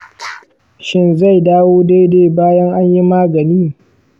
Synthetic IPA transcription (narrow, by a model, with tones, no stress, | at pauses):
ʃɪ˦nza˦˨jdaː˦woː˦da˦jde˦baː˦jɐ˦ŋʔa˦ɲji˦maː˦ɡɐ˨niː˦